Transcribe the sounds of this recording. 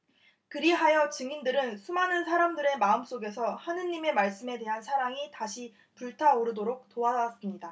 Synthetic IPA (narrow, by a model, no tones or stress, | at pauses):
kɯɾiɦajʌt͡ɕɯŋindɯɾɯnsʰumanɯnsʰaɾamdɯɾe̞maɯms͈oɡe̞sʰʌhanɯɲːime̞maɭs͈ɯme̞de̞ɦansʰaɾaŋitaɕʰi | puɭtʰaoɾɯdoɾok̚toaas͈ɯmɲida